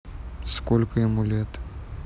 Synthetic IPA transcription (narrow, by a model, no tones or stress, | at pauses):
skolʲkəjɪmulʲet̪